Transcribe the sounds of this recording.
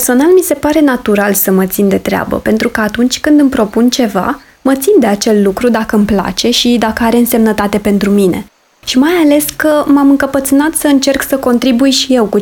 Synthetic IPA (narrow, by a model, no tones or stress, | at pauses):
perso̞nalmise̞paɾe̞nat̪uɾalsəmət̪sind̪e̞t̪ɾea̰bə̰pe̞nt̪ɾukəat̪unt͡ʃʲkɨnd̪ɨmpɾo̞punt͡ʃe̞va̰ | mət̪sind̪e̞at͡ʃe̞lːukɾud̪akəɨmpla̰t͡ʃe̞ʃid̪akəaɾe̞ɨnse̞mnət̪at̪e̞pe̞nt̪ɾumine̞̰ | ʃimajale̞skəmamɨŋkəpət̪sɨnat̪səɨnt͡ʃe̞rksəko̞nt̪ɾibujʃije̞wku